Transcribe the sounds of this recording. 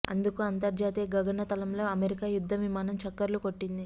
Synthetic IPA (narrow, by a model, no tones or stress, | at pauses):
ɐ̰nd̪ukuɐnt̪ɐɾd͡ʒaːt̪ijɐɡɐɡɐɳɐt̪ɐlɐmlo̞ːɐmeɾikaːjud̪ʱːɐʋimaːnɐmt͡ʃɐkːɐɾlukoʈːind̪i